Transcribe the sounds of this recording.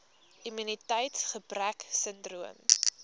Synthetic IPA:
imynitəjtsχəbræksəndruəm

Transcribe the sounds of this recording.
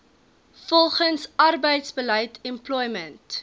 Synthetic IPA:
fɔlˠχənsɐrbəjtsbələjtɛmplɔjmənt

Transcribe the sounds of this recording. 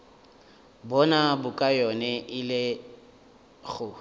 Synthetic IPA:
bɔnabʊkʼajɔnɛʔɪlɪ | ɣʊ

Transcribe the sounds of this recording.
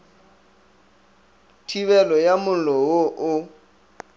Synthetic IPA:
tʰiβɛlɔjamʊlɔʊʔʊ

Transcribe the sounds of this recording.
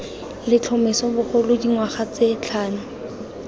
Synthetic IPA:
lɪt͡ɬʰɔmɛsɔbʊχʊlʊdiŋwaχat͡set͡ɬʰaːnʊ

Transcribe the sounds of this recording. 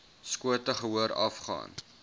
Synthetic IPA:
skuətəχəɦuəɾɐ̰fχɑ̰ːn

